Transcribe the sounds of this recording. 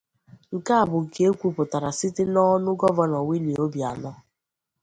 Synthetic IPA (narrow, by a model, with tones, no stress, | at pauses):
ŋ̩˨ka˦a˨bʊ˨ŋ̩˨ke˦e˦kʷu˦pʊ˨ta˨ɾa˨si˦tɪ˦nɔ˦nʊ˦ɡɔ˦vɔ˦nɔ˨wʷi˦ni˨o˦bja̰˨nɔ˦